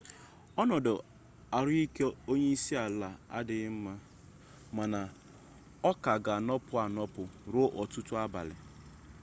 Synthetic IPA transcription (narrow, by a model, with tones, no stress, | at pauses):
ɔ˦nɔ˨dʊ˨ | a˨ɾʊ˦i˦ke˦o˦ɲe˦i˦si˦a˨la˨a̰˦dɪ˨˦m̩˦ma˦ | ma˨na˨ | ɔ˦ka˨ɡa˨a˨nɔ˦pʊ˦a˨nɔ˦pʊ˨ɾʊ˦ʔɔ˨tʊ˦tʊ˦a˦ba̰˨lɪ̰˨